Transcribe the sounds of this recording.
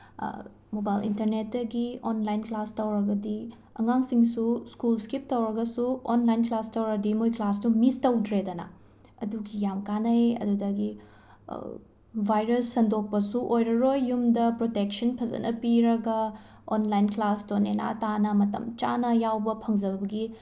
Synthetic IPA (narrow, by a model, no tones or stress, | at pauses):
mobajlḭntɐɾnet̚ːɐɡionlajnklastɐwɾɐɡɐdi | ɐŋaŋsiŋsuskulskip̚tɐwɾɐɡɐsuonlajnklastɐwɾɐdimojklastumistɐwdɾedɐnɐ̰ | ɐ̰duɡijamkanɐjɐ̰dudɐɡḭ | bʱajɾɐsːɐndok̚pɐsuʔojɾɐɾojːumdɐpɾotek̚sɐnpʰɐzɐ̰nʔɐ̰piɾɐɡɐ | onlajnklastonḛna̰tanɐmɐtɐ̰mt͡ʃa̰nɐjawbɐpʰɐŋzɐbɐbɐɡi